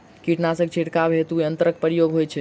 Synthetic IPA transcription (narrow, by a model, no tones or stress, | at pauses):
kiʈnasə̃kt͡ʃʰiʈkabʱet̪uənt̪əɾək̚pəɾijoɡɦojt͡ʃʰɛ